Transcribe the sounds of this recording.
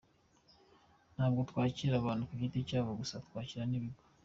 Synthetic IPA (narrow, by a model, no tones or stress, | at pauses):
n̥haːbɡotwaːciɾaβaːnukuciticaːβoɡusatwaːciɾaniβiɡo